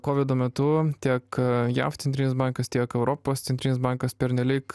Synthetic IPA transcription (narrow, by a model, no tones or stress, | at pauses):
koːʋʲɪd̪oːmʲɛt̪ʊt̪ʲiɛkjæ̰ft̪sʲɛnt̪ʲinʲɪsbɑŋkɐst̪ʲiɛkɛʊɾoːpoːsʲɛnt̪ʲɾʲinʲɪsbɑˑŋkɐspʲɛɾʲnʲɛlʲiːk